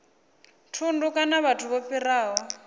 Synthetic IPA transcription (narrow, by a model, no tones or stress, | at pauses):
tʰundukanaβatʰuβopiraːwɔ